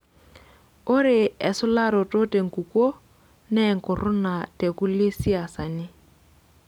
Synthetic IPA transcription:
ʊ˦ɾɪ˨ɛ˨sʊ˦la˦ɾɔ˨tʼo˦tʼe˨ŋ̩˨ku˨kʼo˦ | nɛ˦ŋ̩˨kʊ˨rʊ˦na˨tʼe˨ku˦le˦si˦a˨sa˨nɪ˦

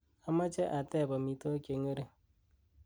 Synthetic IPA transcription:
a˦ma˦t͡ʃe˦ʔa˨tɛ˦˨bɔ˨mi˨to˦ke˨ŋe˦ɾe˦

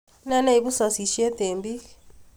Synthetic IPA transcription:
na˦na˦i˨bu˦sa˨si˨ʃi˦ɛ˦te˨mbi˦

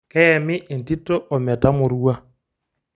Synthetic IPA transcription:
kɛ˦ɛ˨mɪ˦ʔːn˨ti˦tɔ˦ʔɔ˨mɛ˨ta˦mʊ˨ɾu˦a˦

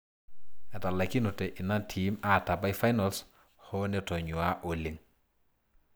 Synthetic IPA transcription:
ɛ˨ta˨la˨ki˦nu˨tɛ˨ʔi˨na˦tʰima˦ta˨ba˦jfa˦jnals | hɔ˦nɛ˨tɔ˨ɲu˨a˦ʔo˨li˨ŋ

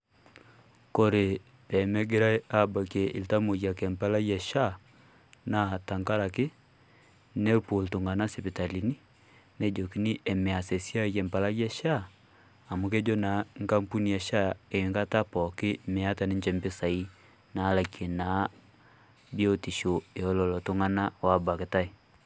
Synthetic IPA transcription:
ko˦ɾe˨ | pɛ˨mɛ˦ɡe˦ɾa˦a˦ba˨ke˨ʔi˨lta˦mo˨ja˨ke˨mpa˦la˦ja˨ʃa˦˨ | na˨˦˨ta˨ŋka˦ɾa˨kɪ˦ | nɛ˦ɾpo˨ltu˨ŋɡa˨na˦se˨pi˨ta˨li˨ni˦ | ne˦d͡ʒo˨ki˦ni˦ʔe˨me˨a˨se˨sja˦je˨mpa˨la˦ja˦ʃaː˦˨ | mu˨ke˦d͡ʒɔ˦na˨˦ŋka˦mpu˦ni˨ja˨ʃa˦e˨ŋɡa˦ta˦pɔ˨kɪ˦mɛ˨a˦ta˨ni˦ɲd͡ʒɛ˨mbe˦sa˨i˦ | na˨˦la˨ke˨na˨˦ | bi˦o˦ti˨ʃo˨e˨ɔ˦lɔ˨lɔ˨to˨ŋa˦na˦wa˦ba˨ke˨ta˦i˨

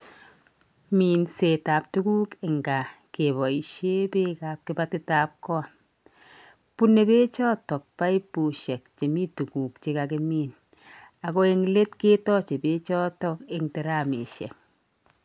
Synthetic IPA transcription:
mi˨nse˨ta˨p̚tu˦ku˦kɪ˨ŋɡa˨ke˨bɔ˨i˨ʃe˦be˦ka˨p̚kɪ˦ba˦tkɪ˦ta˦p̚kɔ˦a˨ | pu˦ne˨be˦t͡ʃɔ˦tɔ˨k̚pa˦i˦pu˨ʃe˨k̚t͡ʃe˨mi˦tu˨ku˨kt͡ʃe˦ka˨ki˦miː˦n | a˨ko˦e˦ŋle˦tke˦tɔ˦t͡ʃe˨be˦t͡ʃɔ˦tɔ˦ke˦ŋte˨ɾa˦˨mḛ˨ʃɛ̰˨k

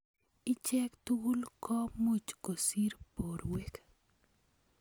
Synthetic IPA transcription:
ɪ˦t͡ʃɛ˦kt̪uu˦lkɔ˦mu˦t͡ʃko˨si˦ɾpo˨ɾwek

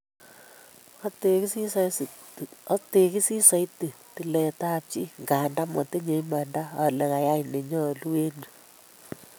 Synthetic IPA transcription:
ɔ˦te˨ki˦si˦sa˦sɔ˦te˨ki˦si˦sa˨˦jti˨ti˨lɛ˨ta˦p̚t͡ʃi˦ŋɡa˨nda˦mɔ˨te˦ɲe˨˦ma˨nda˦a˨le˨ŋa˨ja˦jne˨ɲɔ˦˨lu˦we˦nu˨

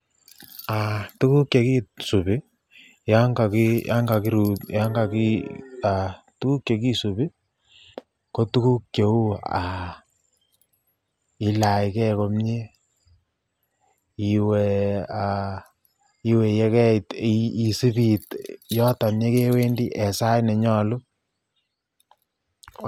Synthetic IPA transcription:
a˨tu˦ku˦kje˨ki˦su˨bɪ˦ | ja˦ŋɡa˨ki˦a̰˦ŋɡa˨ki˦ɾu˨ja˦ŋɡa˨ki˦a˨ | tu˦ku˦kje˨ki˦su˨pi˦ | ko˦tu˦ku˦kjo˨u˦a˨ | i˨la˨jkɛ˦ko˨mɲe˦ | i˨we˨a | i˨we˨jɛ˦kɛ˦˨tii˨su˦bi˨tjɔ˦ta˨nje˦ke˦we˦ndi˦ʔɛ˨sa˦jnɛ˨ɲɔ˨lʊ˦

